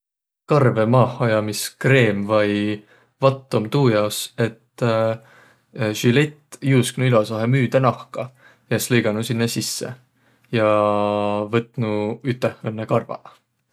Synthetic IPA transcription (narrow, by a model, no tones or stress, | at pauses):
kɑrve̞mɑːhɑjɑmiskre̞ːmvɑj | vɑt̪ːomt̪uːjɑose̞t̪ː | ʒylet̪ːˑjusknuilosɑɦemyːd̪̥enɑhkɑ | jeslejɡ̥ɑnusinːesisːḛ | jɑ | vɤt̪ːˑnuyt̪ːˑehɤnːekɑrvɑ̰